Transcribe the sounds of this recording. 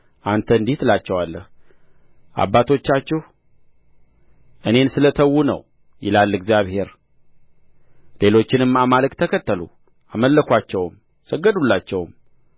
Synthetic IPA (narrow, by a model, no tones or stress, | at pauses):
ʔant̪ʰəɨnd̪it̪lat͡ʃːɛwalːə̰h | ʔa̰bːat̪ʰo̞t͡ʃːat͡ʃːɛh | ʔɨne̞nsɨlət̪ʰəwːunə̰w | jɪ̰lalːɨɡzijaβhe̞ɾ | le̞lo̞t͡ʃːɪnɨmamaləkt̪ʰəkʰət̪ːəlu | aməlːəkʷat͡ʃːɛwm | səɡːəd̪ulːat͡ʃːɛwm